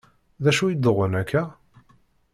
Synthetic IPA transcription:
ðæʃujid̪oʁənækːæ

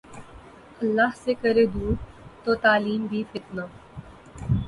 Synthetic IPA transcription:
əlːaːɦsekəɾeːd̪uː | t̪oːt̪aːliːmbʱiːfɪt̪naː

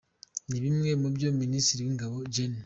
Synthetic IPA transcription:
nibimemobjominisiɾiiŋɡabod͡ʒen

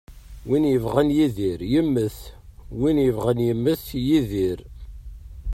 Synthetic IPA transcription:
winjəvʁənjiðiɾjəmːəθwinjəvʁənjəmːəθjiðiɾ

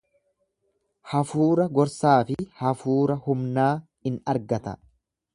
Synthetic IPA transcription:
hɐfuːɾɐɡɔɾsaːfɪhɐfuːɾɐhʊmnaː | ɪnɐɾɡɐt̪ɐ̰

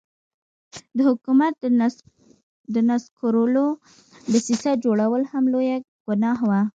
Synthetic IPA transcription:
d̪əhʊkumat̪̚ | d̪ənaskoɾolo | d̪əsisad͡ʒoɽawəlhamloja | ɡ̥ʊnɑɦwa

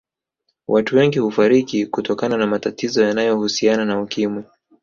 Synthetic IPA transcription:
wʔatuwɛŋɡihufaɾikikutɔkananamatatizɔjanajɔhusiananaukimwɛ

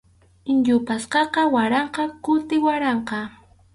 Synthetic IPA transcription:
ɪnʎʊpasqɑqɑwaɾɑɴqɑkʊt̪ɪwaɾɑɴqɑ

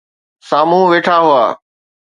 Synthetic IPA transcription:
saːmũʋeːʈʰaɦʊa̰ː

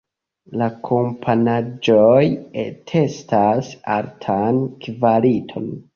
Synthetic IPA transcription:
lakʰompʰanad͡ʒojetʰe̞stasa̰ɾtʰankvalitʰo̞̰n

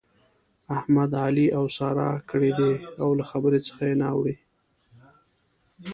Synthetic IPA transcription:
ahmad̪ɑliʔawsɑɾɑ̰kəɽed̪eawlaxabəɾet͡sə̥xajenawɽi

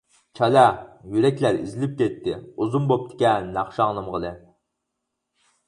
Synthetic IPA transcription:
t͡ʃʰɑlɛjyɾɛkʲlæɾḭzɪlɪp̚kʲɛt̪ʰːɪuzumbop̚t̪ʰɪ̥kʲɛnɑχʃɑŋnˠɨmʁəlˠɨ

